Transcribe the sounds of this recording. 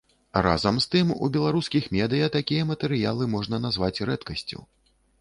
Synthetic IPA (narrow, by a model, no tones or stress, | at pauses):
ra̰zɐmst̪ɨmṵbʲɛlˠaɾuskʲixmʲɛd̪ɨjɐt̪akʲijɐmɐt̪ɛɾɨjalˠɨmɔʐnɐnazvat͡sʲrɛt̪kɐsʲt͡sʲṵ